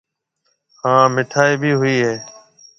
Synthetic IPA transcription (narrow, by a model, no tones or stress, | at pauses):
hãːmɪʈʰaːiːbʱiːɦʊiːɦeː